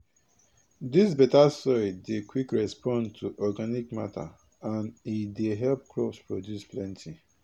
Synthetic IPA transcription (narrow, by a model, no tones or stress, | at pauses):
dis̬bɛtasɔidekʰwikɹɛspɔ̃ntʰuʔɔɡanikma̰tʰa̰ | ãnideɦɛlp̚klɔpspɹodjusplɛ̃ntʰi